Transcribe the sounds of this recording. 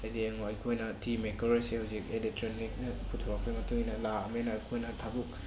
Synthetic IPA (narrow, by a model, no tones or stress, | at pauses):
ɐjdieŋoɐjkʰojnɐtʰimekɔɾɐsehawzik̚elek̚tɾonik̚nɐpʰutʰɔɾak̚pʰejmɐtuŋinɐlaɐmenɐːjkʰojnɐtʰabuk̚